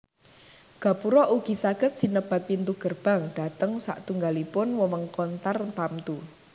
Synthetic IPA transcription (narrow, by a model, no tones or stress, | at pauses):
ɡ̥a̤puɾɔʔuɡ̥i̤saɡ̥ə̤t̪̚sinəb̥a̤t̪̚pint̪uɡ̥ərb̥a̤ŋɖ̥a̤t̪əŋsa̰ʔt̪uŋɡalipʊnwɔwəŋkɔnt̪art̪amt̪u